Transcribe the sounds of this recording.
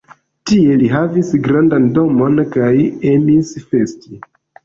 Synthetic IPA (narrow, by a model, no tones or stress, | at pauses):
tie̞liɦavisɡɾandando̞mo̞nkajemisfe̞sti